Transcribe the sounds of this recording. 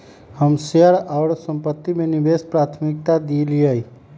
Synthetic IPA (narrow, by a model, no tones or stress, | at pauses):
həmsejəɾɔːɾsə̃mpət̪ːimẽnɪbeːspɾaːt̪ʰmɪk̚t̪ad̪iːliəi